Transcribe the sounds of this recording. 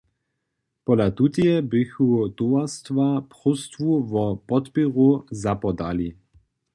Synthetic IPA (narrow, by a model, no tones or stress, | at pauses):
pɔlat̪ut̪iɛbɪxut̪uast̪vapʁust̪vuvɔpɔt̪piʁuzapɔd̪ali